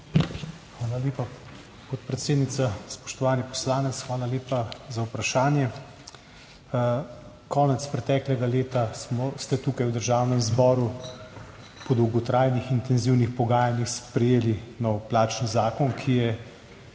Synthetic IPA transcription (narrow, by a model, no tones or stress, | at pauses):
xʋaːlaleːpa | pɔt̪̚pɾɛt̪seːd̪nit̪saspɔ̥ʃt̪ɔʋaːnipɔ̥slaːnɛt̪sxʋaːlaleːpazawpɾaʃaːnjɛ | kʰɔːnɛt̪spɾɛt̪ɛːklɛɡaleːt̪asmɔst̪ɛt̪uːkajwd̪əɾʒaːwnɛmzbɔːɾu | pɔd̪ɐwɡɔt̪ɾajnixint̪ɛnziwnixpɔɡaːjanixspɾɛjeːlinɔwplaːt͡ʃnzaːkɔnkʰijɛ